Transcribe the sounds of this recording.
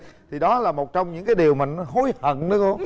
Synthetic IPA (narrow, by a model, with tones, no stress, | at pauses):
t̪ʰi˨˩ɗɔ˨˦laː˨˩mo˨˩t̚t͡ɕɔ˧wŋ͡mɲɨ̰˧˥ŋkaː˨˦jɗi˨˩əwmaː˨˩n˨˦ɦo˨˦jhə˧˨nɗɨ˨˦ko˧